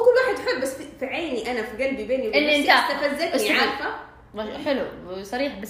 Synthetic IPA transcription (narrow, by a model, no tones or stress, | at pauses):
kʊlːwaːħed̪ħebːæsːfifiʕeːniʔænæfiɡælbibeːniwɪlːiʔnt̪at̪æfæzæk̪sʕaɾˤfæ | ħɪlusˤɑɾiːħbæs